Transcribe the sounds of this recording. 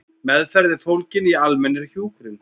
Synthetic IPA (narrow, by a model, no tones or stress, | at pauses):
mɛðfɛɾðɪfowlcɪnialmɛnːɪɾ̥çjuːkɾɪn